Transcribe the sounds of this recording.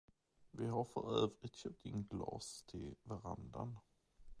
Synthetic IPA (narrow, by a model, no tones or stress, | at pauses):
vɪɦaɾfœɾøːvɾɪt̪ɕœp̚t̪ʰɪnɡlɑ̰ːst̪ʰɪlvaɾa̰nd̪ən